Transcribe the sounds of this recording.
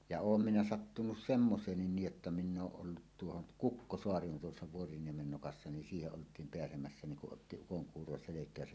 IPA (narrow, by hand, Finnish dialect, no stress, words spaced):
jɑ oːm minæ sɑtːunus semːoseːnːin niːj jotːɑ min̆ oːʔ ʔolːut tuohon kukːosoɑri on tuosːɑ ʋuoriniemen nokɑsːɑ nin siːheʔ ʔoltˑiːm peæsemæsːæ niŋ kuʔ ʔotːi ukoŋkuːro selekˑæːsæn